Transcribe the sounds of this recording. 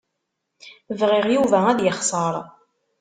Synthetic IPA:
vʁɪʁjuvææðjəχsˤɑɾˤ

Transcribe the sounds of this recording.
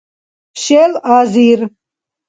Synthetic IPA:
ʃelaːziɾ

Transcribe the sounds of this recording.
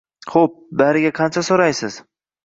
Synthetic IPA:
χop̚baɾɪɡʲaqʰɑnt͡ʃʰasoɾajsɪz̥

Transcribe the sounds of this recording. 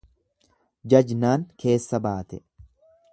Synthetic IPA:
d͡ʒɐd͡ʒnaːŋkʰe̞ːsːɐbaːt̪ɛ

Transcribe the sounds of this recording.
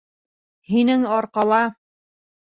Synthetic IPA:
hinɘŋɒɾqɑlˠɑ

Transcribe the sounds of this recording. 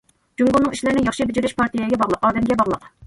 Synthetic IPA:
d͡ʒuŋɡunɨŋiʃlɪɾnɪjɑχʃibɪd͡ʒiɾyʃpʰɑɾt̪ijɛɡʲɛbɑʁlˠəqɑːd̪ɛmɡʲɛbɑʁlˠəq

